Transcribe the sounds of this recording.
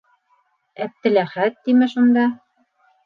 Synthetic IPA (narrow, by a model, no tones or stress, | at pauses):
æp̚t̪ɘ̆læχæt̪̚ːimɘʃund̪ɑ